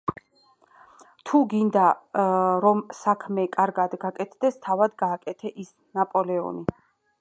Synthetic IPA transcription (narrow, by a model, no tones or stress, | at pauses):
t̪ʰuɡind̪a | ɾɔmsakʰmɛkʼaɾɡad̪ɡakʼɛt̪ʰd̪ɛst̪ʰavad̪ɡaːkʼɛt̪ʰɛʔis | napʼɔlɛɔ̰ni